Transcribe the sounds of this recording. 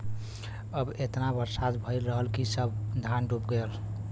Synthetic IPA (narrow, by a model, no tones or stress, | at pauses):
əbet̪nabəɾsad̪bʱəɪlɾəɦəlkisəbd̪ʱanɖupɡel